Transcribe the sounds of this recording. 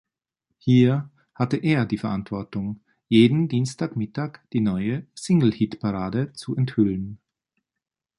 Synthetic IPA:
hiːɐ | hatəʔeːɐdiːfɛɐʔantv̥ɔɐtʊŋ | jeːdn̩diːnstʰaːkmɪtaːkd̥iːnɔʏəsɪŋl̩hitpʰaʁaːdət͡suʔɛnthʏlən

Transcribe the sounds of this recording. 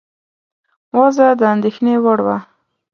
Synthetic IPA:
wazad̪əand̪exnewəɽwa

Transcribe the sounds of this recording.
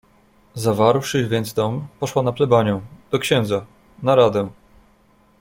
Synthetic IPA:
zavaɾwʂɘvʲjɛnd̪zd̪ɔmpɔʂwanaplɛbaɲɛ̃d̪̥ɔkɕɛ̃nd̪za | naɾad̪ɛ

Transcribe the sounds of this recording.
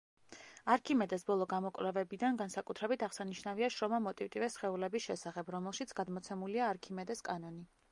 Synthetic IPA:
aɾkʰimɛd̪ɛsbɔlˠɔɡamɔkʼvlɛvɛbid̪anɡansakʼut̪ʰɾɛbit̪ʰaʁsaniʃnaviaʃɾɔmamɔt̪ʼivt̪ʼivɛsχɛulɛbisʃɛsaχɛbɾɔmɛlˠʃit̪sʰɡ̥ad̪mɔt̪sʰɛmuliaːɾkʰimɛd̪ɛskʼanɔni

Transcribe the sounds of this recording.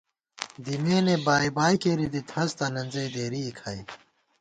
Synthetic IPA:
d̪imeːnebaːibaːjkeɾid̪it̪ʰɐst̪ɐnɐnzɐjd̪eːɾiːkʰai

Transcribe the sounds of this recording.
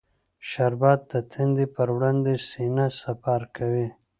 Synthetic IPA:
ʃaɾbɑd̪̚d̪ət̪ʰind̪ipəɾwɽand̪esinasafaɾkawi

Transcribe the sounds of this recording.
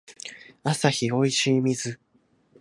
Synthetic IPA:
asaçio̞iɕiːmʲizɨ

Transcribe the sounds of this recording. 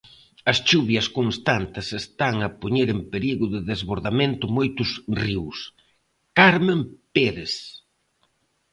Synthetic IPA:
ɐst͡ʃuβjɐskoŋst̪ant̪ɪsest̪aŋɐpoɲeɾempeɾiɣʊðɪðezβoɾðamẽnt̪ʊmojt̪ʊsriws | kaɾmempeɾes

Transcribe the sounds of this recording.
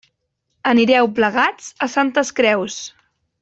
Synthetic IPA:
əniɾɛwpləɣad͡zəsant̪əskɾɛws

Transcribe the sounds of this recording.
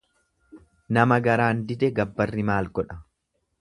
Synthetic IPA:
nɐmɐɡɐɾaːnd̪ɪd̪ɛɡɐbːɐrːɪmaːlɡɔᶑɐ

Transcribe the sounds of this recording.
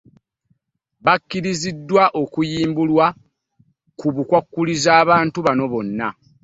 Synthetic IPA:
βakːiɾizidːwaʔo̞kujiːmbulwa | kuβukwakːulizaːβaːntuβano̞βo̞nːa

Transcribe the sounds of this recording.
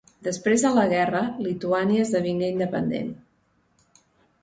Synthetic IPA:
d̪əspɾezðələɣ̞ɛrəlit̪uaniəːzðəβiŋɡeind̪əpənd̪ḛn

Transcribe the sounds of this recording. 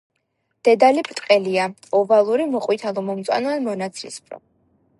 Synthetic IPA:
d̪̥ɛd̪alipʰɾt̪ʼqʼɛlia | ɔvalˠuɾimɔqʼwit̪ʰalˠɔmɔmt̪sʼa̰nanmɔnat̪sʰlispʰɾɔ̰

